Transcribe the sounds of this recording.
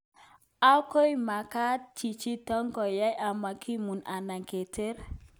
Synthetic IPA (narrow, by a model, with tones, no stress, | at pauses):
a˦ko˦jma˨ka˦t͡ʃi˨t͡ʃi˦tɔ˦ŋkɔ˨ja˦ja˨ma˨kʰi˦mu˨nʔa˨na˨ŋke˨te˦ɾ